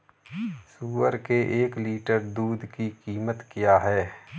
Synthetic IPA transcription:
suːəɾkeʔeːkliːʈəɾd̪uːd̪ʱkikiːmət̪kijaːɦɛː

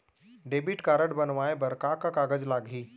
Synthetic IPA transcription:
ɖebiʈkaɾəɽbənʋajbəɾkakakaɡəd͡zlaɡʱiː

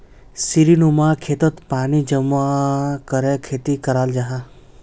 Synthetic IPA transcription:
siɾinumaːkʰet̪ət̪paːnid͡ʒəmakəɾekʰeːt̪ikɐɾaːld͡ʒaɦa

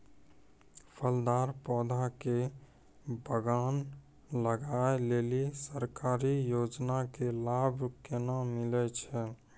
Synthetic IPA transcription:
pʰəld̪aːɾpɔːd̪ʱake | bəɡaːn | ləɡaeleːlisəɾkaːɾijoːd͡ʒnakelaːbʱkenamɪlɛt͡ʃʰɛ

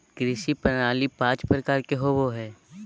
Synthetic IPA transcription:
ɡɾɪʃipənaːlipãːt͡ʃpɾəkaːɾkeɦoʋoɦɛː

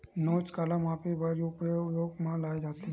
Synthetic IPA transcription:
noːt͡ʃkalamaːpibəɾiopejoːɡmãlaːed͡ʒaːt̪i

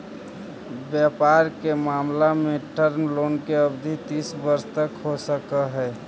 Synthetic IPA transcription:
bjapaɾkemaːmlameʈəɾmloːnkeəbd̪ʱit̪iːsbəɾst̪əkɦosəkəɦɛː

